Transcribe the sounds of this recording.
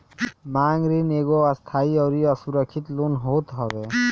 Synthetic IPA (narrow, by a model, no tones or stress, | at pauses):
maŋɾineɡɔast̪ʰaiɔwɾiɔsuɾɔkʰːit̪lunɦot̪ɦɔbe